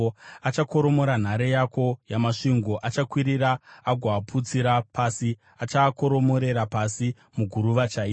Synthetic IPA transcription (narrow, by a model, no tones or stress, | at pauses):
at͡ʃako̞ɾo̞mo̞ɾan̤aɾejako̞jamaʂiŋɡo̞ʔat͡ʃakwiɾiɾaːɡʱwaːpʰut͡siɾapasi | at͡ʃako̞ɾo̞mo̞ɾe̞ɾapasi | muɡʱuɾuʋat͡ʃai